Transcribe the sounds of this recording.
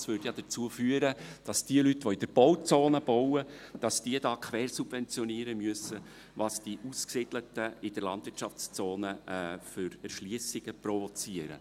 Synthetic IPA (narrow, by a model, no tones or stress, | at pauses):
sʋʏɾdjɑd̥ət͡suəfyːəɾəd̥ɑsd̥iəlytʋɔɪd̥əɾb̥ɔwt͡soːnəb̥ɔwəd̥ɑsd̥iədɑːkʰʋɛːrsub̥vɛnt͡sjɔniːəɾəmyəsə | ʋɑsd̥iʔuːsksɪd̥lətəɪd̥əɾlɑ̰ndvɪɾt͡ʃɑft͡st͡soːnəʔføɾɛrʃliəsɪɡ̥əprɔvɔt͡siːəɾə̰